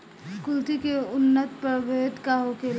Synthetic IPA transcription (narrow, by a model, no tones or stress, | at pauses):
kʊlt̪ikeʊnːət̪pəɾbeːt̪kaɦõkel